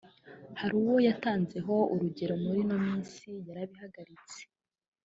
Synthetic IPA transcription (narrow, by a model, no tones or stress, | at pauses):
haɾuwojataːnze̞ɦo̞uɾuɟe̞ɾo̞muɾino̞miːnsijaɾaβihaɡaɾit͡se̥